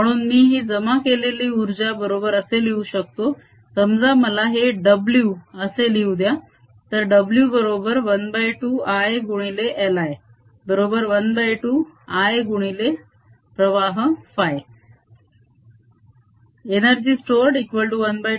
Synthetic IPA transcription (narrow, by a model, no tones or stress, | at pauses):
məɽ̃uːnmiːɦiːd͡zəmakeleliːuɾd͡ʑabəɾobəɾəseliuɕək̚t̪o | səmd͡zaməlaɦeɖəbljuəseliud̪ja | t̪əɾɖəbljubəɾobəɾʋənbajʈuːajɡuɽ̃ileʔelaj | bəɾobəɾʋənbajʈuːajɡuɽ̃ile | pɾəʋaɦfaj | eñəɾd͡ʑiːsʈoɾɖikʋəlʈuʋənbaj